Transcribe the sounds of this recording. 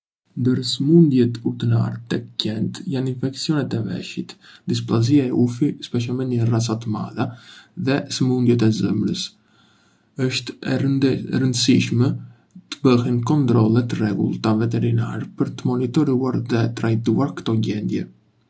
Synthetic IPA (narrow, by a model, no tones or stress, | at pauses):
nd̪əɾsəmund̪jɛt̪uɾt̪əna̰ɾt̪ɛcɛnt̪janinfɛksijɔnɛt̪ɛvɛ̰ʃit̪d̪is̬plˠaziaɛufispɛʃ̬ɛmɛnərasat̪əma̰ðaðɛsəmund̪jɛt̪ɛzə̰mɾəs | əʃt̪ɛɾənd̪əsiʃmɛ | t̪ə̥bəhɛnkɔnt̪ɾɔlˠɛt̪rɛɡṵlˠt̪avɛt̪ɛɾina̰ɾɛpəɾt̪əmɔnit̪ɔɾuaɾðɛt̪ɾajt̪uaɾkt̪ɔɟɛnd̪jɛ̰